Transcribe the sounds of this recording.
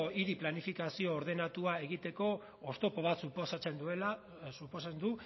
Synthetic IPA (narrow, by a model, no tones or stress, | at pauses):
iɾiplanifikasio̞ːɾð̞e̞nat̪uae̞ɣ̞it̪e̞ko̞ | ost̪opo̞β̞at̪suposat͡send̪uela | suposend̪u